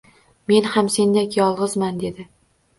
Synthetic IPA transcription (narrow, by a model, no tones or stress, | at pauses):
me̞nhamse̞nd̪akʲjɒlˠʁɨzmand̪e̞d̪ɪ